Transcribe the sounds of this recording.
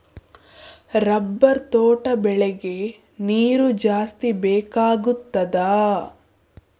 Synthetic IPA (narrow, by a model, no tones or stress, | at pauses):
ɾɐbːɐɾt̪oːʈɐbɛɭɛɡe̞ | niːɾud͡ʒaːst̪ibɛːkaːɡut̪ːɐd̪a